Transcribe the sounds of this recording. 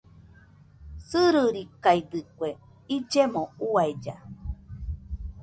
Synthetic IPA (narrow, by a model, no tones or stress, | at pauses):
sɨɾɨɾikajd̪ɨkʷwe | id͡ʒemõuajd͡ʒa